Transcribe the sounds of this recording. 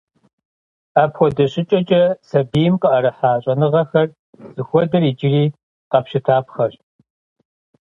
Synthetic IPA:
aːpxʷɔdɐɕʼɪt͡ʃʼɐt͡ʃʼɐsɐbiːmqʼəʔɐɾɨħaːɕʼɐnɨʁɐxɐr | z̥ɨxʷɔdɐriːd͡ʒɪriː | qɐpɕɪtʰaːpxɐɕ

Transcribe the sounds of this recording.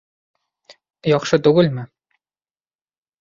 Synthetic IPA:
jɑχʂɤ̆t̪uɡɤ̆lʲmʲɘ̆

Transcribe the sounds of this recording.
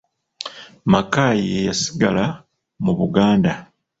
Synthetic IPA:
makaːjejasi̥ɡala | muβuɡaːnda

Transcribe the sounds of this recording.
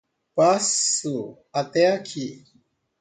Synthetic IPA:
pasu | at̪eakʰi

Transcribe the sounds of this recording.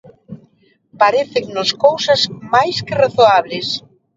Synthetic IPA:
paɾeθɪŋnʊskowsɐzmajskɪraθoaβlɪs

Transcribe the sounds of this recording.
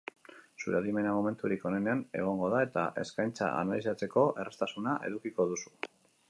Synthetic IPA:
suɾaðime̞namome̞nt̪uɾiko̞nene̞ane̞̰ɣ̞o̞ŋɡo̞ðae̞t̪a̰ʔe̞̰skajnt͡sa̰a̰nalis̬at͡se̞ko̞ʔe̞rest̪asunaʔe̞̰ðukiko̞ðusu̥

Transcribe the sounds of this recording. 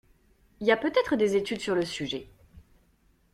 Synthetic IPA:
iljapøt̪ɛt̪χəd̪ezet̪yd̪syʁləsyʒɛ

